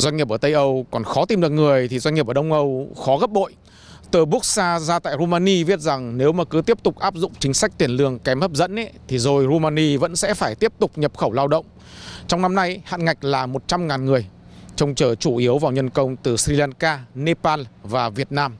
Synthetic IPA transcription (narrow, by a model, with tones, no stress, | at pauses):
zwa˧ɲ̟ɲi˨˩p̚ʔəː˧˩t̪ə˧jʔə˧wkɔ˨˩nxɔ˨˦t̪i˧mɗɨ˨˩ək̚ŋɨ˨˩əjt̪ʰi˨˩zwa˧ɲ̟ɲi˨˩p̬̚əː˧˩ɗə˧wŋ͡mʔə˧wxɔ˨˦ɣə˦˥p̚ɓo̰˧˨j | t̪əː˧˩ɓu˦˥k̚saː˧zaː˧t̪a̰ː˧˨jɾo˧maː˧ni˧ɓi˦˥ət̚za˨˩ŋne˨˦wmaː˨˩kɨ˨˦t̪i˦˥əp̚t̪ʊ˨˩k͡p̚ʔaː˦˥p̚zʊ̰˧˨ŋ͡mt͡ɕŋ̟sa˦˥k̚t̪i˧˩ənlɨ˧˩əŋkɛ˨˦mʔəː˦˥p̚zə̰˧˥nʔɛ˨˦t̪ʰi˨˩zo˨˩jzo˧maː˧ni˧və̰˧˥nsɛ̰˧˥faː˧˩jt̪i˦˥əp̚t̪ʊ˨˩k͡p̚ɲə˨˩p̚xə˧˩wlaː˧wɗə̰˧˨wŋ͡m | t͡ɕwŋ͡mna˧mna˧jha̰ː˧˨nŋa˨˩jk̟̚laː˨˩mo˨˩t̚t͡ɕa˧mŋaː˨˩nŋɨ˨˩əj | t͡ɕɔ˧wŋ͡mt͡ɕəː˧˩t͡ɕu˧˩ʔi˨˦əwvaː˨˩wɲə˧nkə˧wŋ͡mt̪ɨ˨˩sɾi˧laː˧nkaː˧ne˧paː˧nvaː˨˩vi˨˩ət̚naː˧m